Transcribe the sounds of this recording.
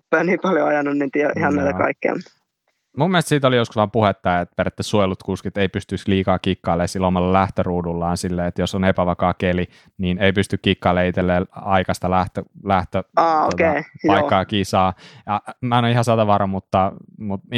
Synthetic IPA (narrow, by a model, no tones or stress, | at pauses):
pæːniːmpɑljoɑjɑnːunnint̪iæʔihɑnnæit̪ækɑ̰ikːḛɑ̰mu | mumːielst̪siːt̪olijosku̥sʋɑːmpuhet̪ːɑjɑet̪peɾet̪ːæsuojlut̪kuːskiet̪ːeipyst̪ysliːkɑːkikːɑːleːsilːomɑlːɑlæht̪øruːdulːɑːnsilːeːet̪josonepæʋɑkɑːkeli | niːneipyst̪ykkikːɑːleit̪elːeːlɑikɑst̪ɑlæht̪ølæht̪øɑːo̰okeijɑikːɑːkisɑːjɑmæɑnoihɑsɑt̪ɑʋɑrɑmut̪ːɑmut̪